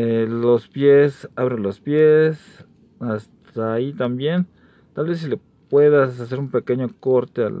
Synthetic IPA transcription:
lospjesaβɾelospjes | ast̪ʰait̪ambjen | t̪alβes̬ile | pweðasas̬eɾumpekeɲokoɾt̪ea̰l

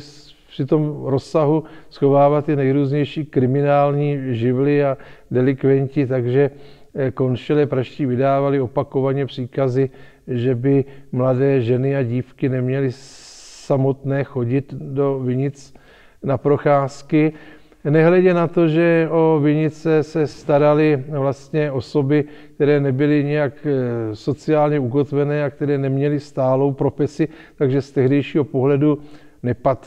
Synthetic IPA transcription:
pr̥ɪt̪o̞mɾo̞sːaɦusxo̞vaːvat̪ːɪnɛjɾuːzɲɛjʃiːkɾɪmɪnaːlɲiːʒɪvlɪadɛlɪkvɛɲcɪt̪aɡʒɛ | ko̞nʃɪlɛːpɾaʃsciːvɪdaːvalɪo̞pako̞vaɲɛpr̥iːkazɪ | ʒɛbɪmladɛːʒɛnɪaɟiːfkɪnɛmɲɛlɪsamo̞t̪nɛːxo̞ɟɪt̪do̞vɪɲɪt͡s | napɾo̞xaːskɪ | nɛɦlɛɟɛnat̪o̞ʒɛo̞vɪɲɪt͡sɛsɛst̪aɾalɪvlast̪ɲɛo̞so̞bɪk̚t̪ɛɾɛːnɛbɪlɪɲɛjakso̞t͡sɪaːlɲɛuk̬o̞t̪vɛnɛːak̚t̪ɛɾɛːnɛmɲɛlɪst̪aːlo̞wpɾo̞fɛsɪt̪aɡʒɛst̪ɛɦdɛjʃiːɦo̞po̞ɦlɛdu | nɛpat̪

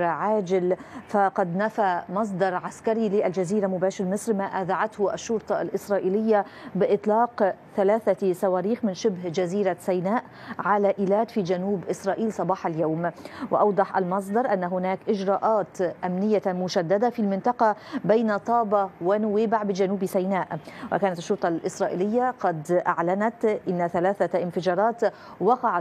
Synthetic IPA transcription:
ʕaːd͡ʒɪlfaqɑd̪nafamɑs̬ˤd̪ɑɾˤʕaskaɾilɪʔald͡ʒaziːɾamʊbaːʃɪɾmɨsˤɾmaːʔaːðaʕat̪hʊʔa̰ʃːʊɾt̪ˤɑʔa̰lʔɪsɾˤɑːʔiːlɪjːabɪʔɪt̪ˤlɑːqθalaːθasawaːɾiːxmɪnʃɪbhd͡ʒaziːɾasajnaːʔ | ʕalaʔɪːlaːd̪fiːd͡ʒanuːbʔɪsɾˤɑːʔiːlsˤɑbɑːħaljawmwɪʔɑwd̪ˤɑħʔa̰lmɑs̬ˤd̪ɑɾˤʔanːaɦʊnaːkʔɪd͡ʒɾˤɑːʔɑːt̪ʔamnɪjːamʊʃad̪ːad̪afilmɪnt̪ˤɑqɑbajnat̪ˤɑːbɑwanʊwiːbaʕbɪd͡ʒanuːbsajnaːʔwʔa̰kaːnat̪ɪʃːʊɾt̪ˤɑlʔɪsɾˤɑːʔḭːlɪjːaqɑd̪ʔa̰ʕlanat̪ʔɪnːaθalaːθaʔɪnfɪd͡ʒɑːɾˤɑːt̪ | wɑqɑʕa

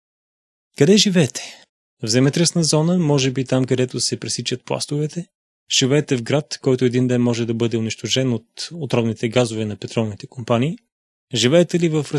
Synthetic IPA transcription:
kɐd̪ɛʒivɛːt̪ɛ̥ | vzɛmɛt̪ɾɛsnəzɔnəmɔʒɛbit̪amkɐd̪ɛt̪ʊsɛpɾɛsit͡ʃɐt̪̚plˠa̰st̪ʊvɛt̪ɛ | ʒ̥ivɛːt̪ɛvɡɾat̪kɔjt̪ʊɛd̪ind̪ɛnmɔʒɛd̪ɐbɤd̪ɛʊniʃt̪oʃɛnot̪ot̪ɾɔvnit̪ɛɡazʊvɛnɐpɛt̪ɾɔlˠnit̪ɛ̥kompaniː | ʒivɛːt̪ɛlivəfɾə

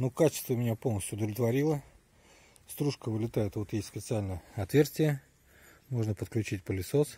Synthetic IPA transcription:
nukat͡ɕɪst̪vəmʲɪnʲapo̞lˠnəsʲtʲʊd̪əvlʲɪt̪vɐɾʲilˠə | st̪ɾuʂkəvɨlʲɪt̪ajɪt̪vo̞t̪jesʲt̪ʲspʲɪt̪sɨalʲnəjəɐt̪vʲe̞rsʲtʲɪjə | mo̞ʐnəpət̪klʲʉt͡ɕitʲpəlʲɪso̞s

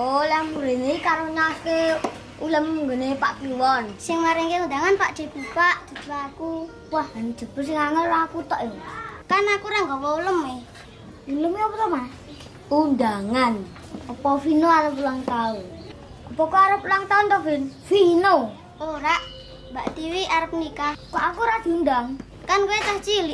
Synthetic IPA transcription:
olamuɾeneikaɾoɲaske | uləmŋɡənepaʔpiwɔnsɪŋmaɾɛŋkeundaŋanpaʔd̥d͡ʒ̥ə̤b̥əpaʔd͡ʒ̥ə̤b̥əaku | wahan̥d͡ʒ̥ə̤b̥ərs̬ɪŋaŋəllakut̪ɔʔekarnakuɾaŋɡawɔuləme | uləmiɔpɔɾɔma | undaŋan | opɔfinoaɾəpulaŋt̪aun | upɔkɔaɾəpulaŋt̪aunt̪ɔfinfino | oɾaʔ | mbaʔt̪iwiʔaɾəp̚nikakɔʔakuɾad̪̥i̤undaŋ | kanket̪aht͡ʃili

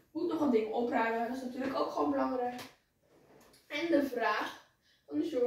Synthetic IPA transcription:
mutnɔχəlndɪŋəɔpraːdəanɪsnatyːləkowkχʋoːnbəlɑŋɾɛjk | ɛndəvraːχ | ɔndəso

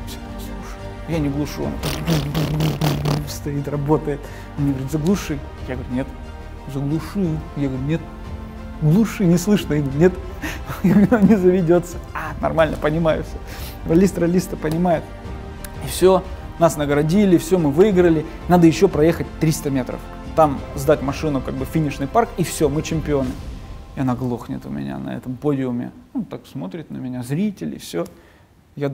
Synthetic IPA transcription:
fsʲoɡʲʊt̪slˠuʂəjʊ | janʲɪɡlˠʊʂɨɐ̰nɐ̰t̪ | fst̪ɐit̪rɐbo̞t̪əjɪt̪ | mnʲeɡəvɾʲut̪zəɡlˠuʂɨ | jaɡəvəɾʲunʲe̞t̪ | zəɡlˠʊʂɨjʊjaɡəɾʲunʲe̞t̪̚ | ɡlˠuʂɨnʲɪslˠɨʂnəjiɡɾʊnʲet̪jaɡəɾʲʊnnʲɪzəvʲɪdʲo̞t̪sə̥anɐ̰rmalʲnəpənʲɪmajʊ̰fsʲo | rɐlʲist̪ɾɐlʲist̪əpənʲɪmajɪt̪ | ifsʲo | nasnəɡɾɐdʲilʲɪfsʲomɨvɨiɡɾəlʲɪ | nad̪əjɪɕːo̞pɾɐje̞xət̚ʲt̪ɾʲist̪əmʲe̞t̪ɾə̰f | t̪amzd̪atʲmɐʂɨnʊkaɡ̚bɨfʲinʲɪʂnɨjparkifsʲomɨt͡ɕɪmʲpʲɪo̞nɨɪɐnaɡlˠo̞xnʲɪ̰t̪ʊ̰mʲɪ̰nʲa̰nɐ̰ɛ̰t̪əmpodʲɪʊmʲɪ̰ot̪aksmo̞t̪ɾʲɪt̪ʲnəmʲɪnʲazɾʲitʲɪlʲɪ̰fsʲo | ja

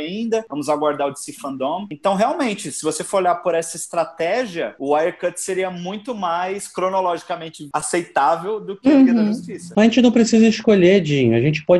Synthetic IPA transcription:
ĩnd̪ɐvɐ̃mʊzaɡwaɾd̪aɾʊd͡ʒ̪ɪsifɐ̃nd̪õmẽnt̪ɐ̃w̃ɦeawmẽnt͡ʃɪsɪvosefoɾoʎaɾpoɾɛsɐɪst̪ɾat̪ɛʒiɐʊajeɾkɐt͡ʃ̪seɾiɐmũj̃t̪ʊmajskɾonolɔʒikamẽnt͡ʃɪasejt̪avewd̪ʊkɪkiɐʒust͡ʃisɐ̥aʒẽt͡ʃɪnɐ̃w̃pɾesizɐiskoʎed͡ʒĩɲʊaʒẽnt͡ʃɪ̥pɔ

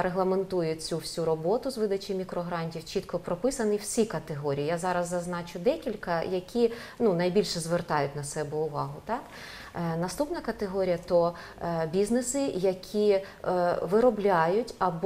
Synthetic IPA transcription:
ɾeɦlˠɐment̪ujʊt͡sʲuwsʲuɾɔbɔt̪ʊzʋɪd̪ɐt͡ʃɪmʲikɾɔɦɾɑnʲtʲiwt͡ʃit̪kʰɔpɾɔpɪsɐniw̥sʲikɐt̪eɦɔɾʲijijazɑɾɐzːɐznɑt͡ʃʊd̪ɛkʲilʲkɐjɐkʲi | nunɐjbʲilʲʃɛzʋert̪ɑjʊtʲnɐsɛbɛʊʋɑɦʊt̪ɑk | nɐst̪upnɐkɐt̪eɦɔɾʲijɐt̪ɔ | bʲiznesɪjɐkʲʰi | ʋɪɾɔblʲajʊtʲɐb

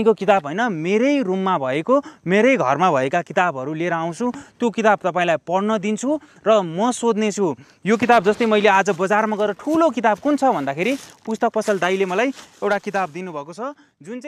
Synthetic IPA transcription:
ĩkokit̪abɦʌjnʌmeɾʌjrumːabʱʌekomeɾʌjɡʱʌrmabʱʌekakit̪abɦʌɾulieɾʌaw̃t͡sʰut̪jokit̪ab̚t̪ʌpãĩlajpʌɽnʌd̪int͡sʰu | rʌmʌsod̪net͡sʰu | jok̬it̪ab̚d͡zʌst̪ʌjmʌjlead͡zʌbʌd͡zarmaɡʌeɾʌʈʰulok̬it̪ab̚kunt͡sʰʌbʱʌnd̪akʰeɾipust̪ʌk̚pʌsʌld̪ajlemʌlajewʈakit̪ab̚d̪inubʱʌkot͡sʰʌ | d͡zunt͡s

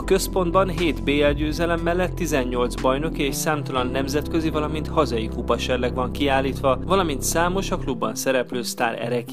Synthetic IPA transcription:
ɒkø̞spo̞nd̪bɒnɦeːt̪beːɛlɟøːzɛlɛmːɛlːɛt̪ːizɛɲːo̞lt̪zbɒjno̞kieːʃsaːmt̪ɒlɒnːɛmzɛt̪kø̞zivɒlɒmint̪hɒzɒjikupɒʃɛrlɛkʋɒŋkiaːlːiːt̪ʋɒvɒlɒmint̪saːmo̞ʃɒklubːɒnsɛɾɛpløːst̪aːɾɛ̰ɾɛk

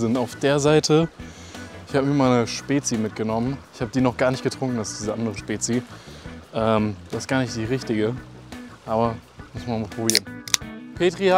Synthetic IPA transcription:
zɪntaʊfd̥eːɐzaɪtʰə | ɪçhaːbəmiːɐmaɪnəʃpeːt͡simɪt̚ɡ̥ənɔmənɪçhaːbədiːnɔχɡ̥aːɐnɪçtɡ̥ətʁ̥ʊŋkŋ̩alsd̥iːzəʔandəʁəʃpeːt͡si | ʔɛːmd̥asɪstɡ̥aːɐnɪçt̚d̥iːʁɪçtɪɡə | ʔaːbɐ | mʊsmanmapʁ̥obiːʁənpʰeːtʁ̥ia

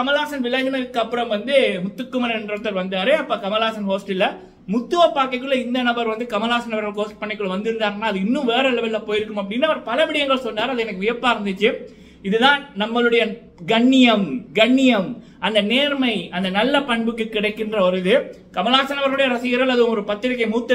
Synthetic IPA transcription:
kɐmɐlaːsɐnʋɪlaːd͡ʒɐnɐɾɯkːɯɐpːɯɾɐmʋɐnd̪ɯmʊt̪ːɯkːɯmɐnɐɛndrɐt̪ːɐɾʋɐnd̪aːɾɯɐpːaːkɐmɐlaːsɐnɦoːsʈɪlːɐ | mʊt̪ːɯʋɐpːaːɾkɐɪkːɯɭːɐɪnd̪ɐnɐbɐɾʋɐnd̪ɯkɐmɐlaːsɐnɐbɐɾɣɐɭkoːsʈ̚pɐɳːɪkːɯɭːɐʋɐnd̪ɪɾɯnd̪aːɾɐnːaːɐðɯɪnːɯ̃ʋeːɾɐlɐʋɪlːɐpoːjɪɾɯkːɯmɐp̬ːɐɽɪnːaːʋɐɾpɐlɐʋɪɽɪjɐŋɡɐɭsɔnːaːɾɐðɯɛnɐkːɯʋʊjɐɾpːaːɪɾɯnd̪ɯt͡ʃːɯ | ɪðɯðãːnɐmːɐɭɯɽɐjɐ | ɡɐɳːɪjɐmɡɐɳːɪjɐm | ɐnd̪ɐneːɾmɐɪɐnd̪ɐnɐlːɐpɐɳbɯkːɯkːɪɽɐɪkːɪndrɐɔɾɯðɯ | kɐmɐlaːsɐnɐʋɐɾɣɯɽɐjɐɾɐsɪjɐɾɐlɐðɯʋɯmɔɾɯpɐt̪ːɯɾɪkːɐmuːt̪ːɐ

